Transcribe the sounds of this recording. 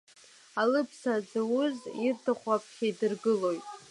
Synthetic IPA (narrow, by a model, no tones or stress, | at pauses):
alɨpʰsad͡zawʊzirtʰaχʷapʰʼχʲajdɨrɡɨlo̞jtʼ